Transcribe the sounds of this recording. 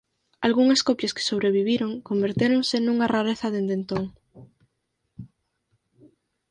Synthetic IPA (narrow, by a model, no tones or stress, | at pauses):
alɣuŋɐskopjaske̥soβ̞ɾeβ̞iβ̞iɾoŋkombeɾt̪eɾoŋsenuŋaraɾeθɐðend̪ent̪oŋ